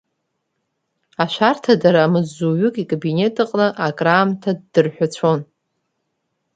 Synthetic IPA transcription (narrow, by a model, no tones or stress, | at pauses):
aʃʷartʰadaɾaːmɨzːuɥʏkʼikʼabine̞tʼɨqʼnɨʔakʼraːmtʰadːɨrħʷᶣat͡ɕʷʰo̞n